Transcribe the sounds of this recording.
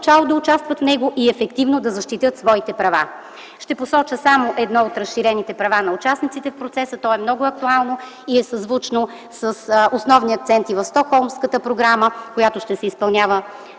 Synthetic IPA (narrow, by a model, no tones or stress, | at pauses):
t͡ʃalˠod̪ɐʊt͡ʃast̪vət̪fnɛɡoʔiɛfɛkt̪ivnod̪ɐzɐʃt̪it̪ɤt̪svɔit̪ɛpɾɐva̰ | ʃt̪ɛposɔt͡ʃəsamoʔɛd̪nɔot̪ɾəsʃiɾɛnit̪ɛpɾɐvanɐʊt͡ʃasnit̪sit̪ɛfpɾot̪sɛsət̪ɔɛmnɔɡʊɐk̚t̪ualˠno | iɛsɐzvut͡ʃno | səsosnɔvniɐk̚t̪sɛnt̪ivɐfst̪ɔkxɔlˠmskət̪əpɾoɡɾaməkojat̪oʃt̪ɛsɛispɐlˠnʲjavə